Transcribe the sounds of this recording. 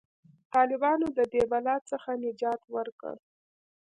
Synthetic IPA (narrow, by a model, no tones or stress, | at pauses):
t̪ɑlɪbɑnod̪əd̪ebalɑt̪t͡səxanɪd͡ʒɑt̪wəɾkə̰